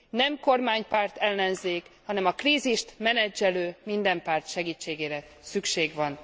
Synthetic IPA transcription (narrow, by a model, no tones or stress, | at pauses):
nɛmko̞rmaːɲpaːrt̪ɛlːɛnzeːkhɒnɛmɒkriːziʃt̪mɛnɛd͡ʒːɛløːmind̪ɛmpaːrt̪ʃɛɡiːt͡ʃːeːɡeːɾɛ | sykʃeːɡʋɒn